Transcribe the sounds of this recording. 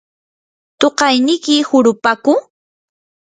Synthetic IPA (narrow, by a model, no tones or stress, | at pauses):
t̪oqɑjnɪkɪhʊɾʊpaːkʊ